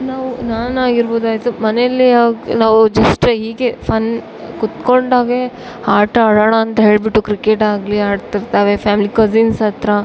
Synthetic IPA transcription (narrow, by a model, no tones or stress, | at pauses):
naːʋunaːnaːɡiɾboːd̪aːjt̪umɐneɐlːiaɡnaːʋud͡ʒɐsʈɦiːɡepʰɐn | kut̪ko̞ɳɖaːɡe̞ | haːɾʈɐɽɐɳɐːnt̪ɐɦe̞ːɭbiʈːukɾikeʈaːɡliaːɖt̪iɾt̪ɐʋe̞pʰaːmilikɐzinsɐt̪ɾɐ